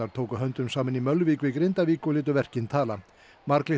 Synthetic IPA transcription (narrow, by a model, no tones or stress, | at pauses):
aɾ̥t̪ʰoːwkʏɦœnt̪ʏmsaːmɪnimœlviːkʏikɾejnt̪aviːkʏlɪːt̪̬ʏvɛr̥cɪnt̪ʰaːla | maɾklɪ